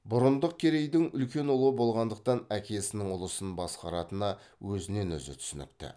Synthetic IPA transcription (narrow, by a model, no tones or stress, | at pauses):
bʊɾənd̪əq̚kʲʰe̞ɾe̞jd̪ɪŋʏlkʲe̞nʊlˠəbo̞lˠʁɑnd̪əq̚t̪ɑnækʲe̞sɪnɪŋʊlˠəsənbɑsqɑɾɑt̪ənɑ | wɵzɪne̞nɵ̰zɪ̰t̪ʰʏ̥sʏnɪ̰k̚t̪ɪ̰